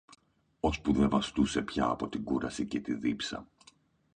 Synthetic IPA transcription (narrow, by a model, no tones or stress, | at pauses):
o̞spuðe̞vɐst̪use̞pçɐːpo̞t̪iɡuɾɐsicet̪iðipsɐ̰